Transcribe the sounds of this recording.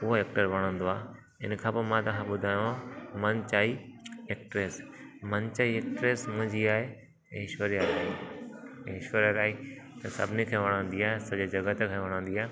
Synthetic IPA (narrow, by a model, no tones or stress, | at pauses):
ʊɦoeːk̚ʈəɾʋɐɽ̃ə̃nd̪oaː | ɪnkʰãːpɐmãt̪ɐʋ̤ãɓʊd̪ʱaːjõãmɐ̃nt͡ɕaːieːkʈɾeːsmɐnt͡ɕaːieːk̚ʈɾeːsmʊ̃ɦɪ̃ɲd͡ʑiaːɦẽ | ɪʃoːɾijaɾã | ɪʃoɾijaɾaːɦi | t̪ɐsɐ̰bʱɪnikʰeʋɐɽ̃ə̃n̆d̪iaːɦesɐd͡ʑod͡ʑɐɡət̪ekʰeʋɐɽ̃ə̃ːnd̪iaːɦe